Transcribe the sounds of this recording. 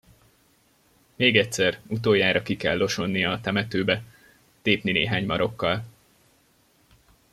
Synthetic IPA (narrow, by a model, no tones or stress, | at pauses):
meːɡɛtʲsɛrut̪oːjaːɾɒkikɛlːo̞ʃo̞nːijɒːt̪ɛmɛt̪øːbɛ | t̪eːpninḛːɦaːɲmɒɾo̞kːɒl